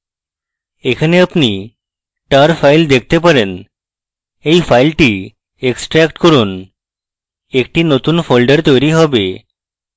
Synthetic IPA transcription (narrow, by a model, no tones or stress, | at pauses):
ekʰneapni | ʈaɾfaild̪ek̚ʰt̪epəɾen | eifailʈi | eksʈɾɛkʈkəɾuːn | ek̚ʈiːnot̪uːnfolɖəɾt̪eɾiɦɔbe